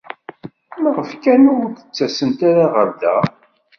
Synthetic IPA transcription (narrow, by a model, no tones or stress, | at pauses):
məʁəfkænuɾθə̥t͡sːæsənt̪aɾaʁəɾd̪æ̰